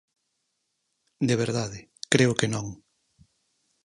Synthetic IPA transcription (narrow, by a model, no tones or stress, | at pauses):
d̪eβ̞eɾðaðɪ | kɾeʊkenõŋ